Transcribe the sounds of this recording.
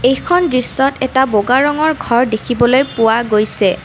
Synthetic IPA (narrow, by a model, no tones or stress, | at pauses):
ejkʰɔndɹisːɔtʰɛtaboɡaɹɔŋɔɹɡʱɔɹdekʰibɔlojpʊwaɡojsɛ